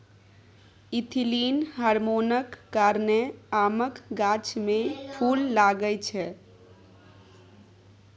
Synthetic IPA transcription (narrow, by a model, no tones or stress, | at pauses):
it̪ʰilinɦaɾmonəkːaɾneaməkɡat͡ʃmepʰulːaɡət͡ʃʰɛ